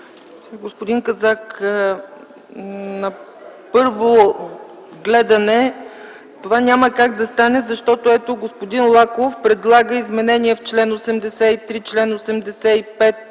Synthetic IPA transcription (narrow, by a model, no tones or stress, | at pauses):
saɡospod̪iŋkɐzak | nɐ | pɤɾvo | ɡlɛd̪ɐnɛ | t̪ovanʲaməkaɡd̪ɐst̪anɛzɐʃt̪ɔt̪oɛt̪oɡospod̪inlˠakofpɾɛd̪lˠaɡəizmɛnɛniɛft͡ʃlɛnosɛmd̪ɛsɛit̪ɾit͡ʃlɛnosɛmd̪ɛsɛipɛt̪̚